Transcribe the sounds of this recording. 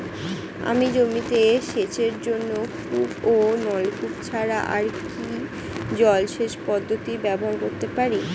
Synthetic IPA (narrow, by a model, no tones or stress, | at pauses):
a̰mid͡ʑomit̪eʃet͡ɕeɾd͡ʑonːokuponɔlkupt͡ɕʰaɾaʔa̰ɾki | d͡ʑɔlʃeʃpɔd̪ʱːot̪ibɛboɾkoɾt̪epaɾi